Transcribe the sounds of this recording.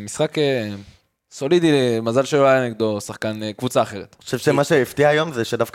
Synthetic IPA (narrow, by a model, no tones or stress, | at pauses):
misχake | so̞lid̪ilmazalʃeloajaneɡd̪osaχkankvut͡saːχe̞ʁet̪oʃevʃemaʃeift̪iaːjo̞mzeʃed̪afk